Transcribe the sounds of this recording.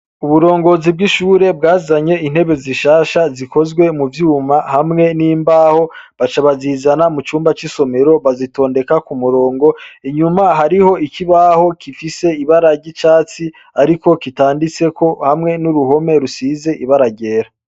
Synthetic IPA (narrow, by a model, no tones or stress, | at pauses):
uβuɾo̞ːŋɡo̞zib̚ɡiʃuːɾe̞b̚ɡaːzaɲe̞in̥he̞βe̞ziʃaːʃazikʰo̞zɡwe̞muvjuːmahamŋe̞niːmbaːho̞βat͡ʃaβaziːzanamut͡ʃuːmbat͡ʃiso̞me̞ɾo̞βazito̞ːnde̞kakumuɾo̞ːŋɡo̞iɲumaɦaɾiho̞ikiβaho̞kʰifise̞iβaɾaɟit͡ʃaːt͡si | aɾiko̞kitaːndit͡se̞ko̞hamŋe̞nuɾuɦo̞me̞ɾusiːze̞ʔiβaɾaɟe̞ːɾa